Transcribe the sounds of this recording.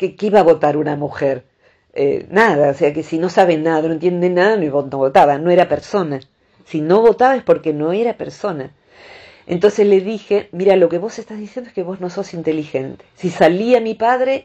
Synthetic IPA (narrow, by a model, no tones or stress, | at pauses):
kekeiβaβo̞t̪aɾunamuxeɾ | ḛnaðaose̞akesino̞saβenaððano̞ent̪je̞nd̪enːaðanoiβonoβot̪aβano̞e̞ɾapeɾso̞na | sino̞βo̞t̪aβaespo̞ɾke̞no̞eɾapeɾso̞na | ḛnt̪o̞nse̞zle̞ðixe̞miɾalo̞keβo̞sest̪azðisjend̪oeskeβo̞zno̞so̞sint̪e̞lixe̞nt̪e̥sisaliamipaðɾe̞